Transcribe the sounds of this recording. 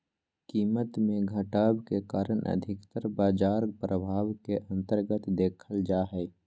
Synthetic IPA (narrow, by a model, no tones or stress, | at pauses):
kiːmət̪mẽɡʱəʈaːbkekaːɾəɳ̃ʔə̰d̪ʱɪkt̪əɾbaːd͡ʒaːɾpɾəbʱaːwkeʔɐ̃nt̪əɾɡət̪d̪eːkʰəld͡ʒaːɦɛː